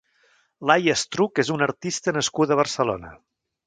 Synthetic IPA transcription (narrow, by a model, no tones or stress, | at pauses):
lajəst̪ɾukezunəɾt̪ist̪ənəskut̪əβ̞ərsəlo̰nə̰